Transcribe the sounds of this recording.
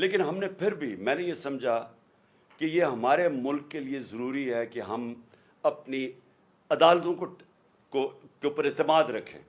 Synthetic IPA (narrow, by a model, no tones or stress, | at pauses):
leːkɪnɦɐmnepʰɪɾbʱimɛ̃ːnejesɐmd͡ʒʱa | kejeɦɐmaːɾemʊlkːeliezɐɾuːɾiɦɛkeɦɐm | ɐpni | ɐd̪aːlt̪õko | kokeuːpəɾɪt̪ɪmaːd̪ɾɐkʰːḛ̃ː